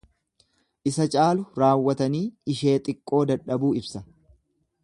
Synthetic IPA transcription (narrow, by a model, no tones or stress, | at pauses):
ʔɪsɐt͡ʃʼaːlʊɾaːwːɐt̪ɐniːɪʃeːt̪ʼɪkʼːo̞ːd̪ɐᶑɐbuːɪbsɐ